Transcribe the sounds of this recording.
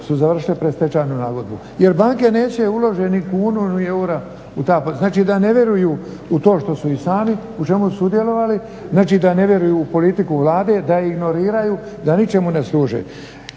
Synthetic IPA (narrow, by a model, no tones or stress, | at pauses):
suzaʋr̩ʃilepɾest̪e̞t͡ʃanunaːɡod̪̚bu | je̞ɾbaŋke̞ne̞ːt͡ɕe̞ulo̞ʒenikuːnunieuɾa | ut̪aːpoznaːt͡ʃiːd̪ane̞ʋje̞ɾujuː | ut̪o̞ːʃt̪o̞suisaːmi | ut͡ʃe̞musud̪je̞lo̞ʋali | znaːt͡ʃiːd̪ane̞ʋje̞ɾujuːpo̞lit̪ikuʋlaːd̪e̞d̪aiɡno̞ɾiːɾajuː | d̪anit͡ʃe̞muneslˠuːʒḛ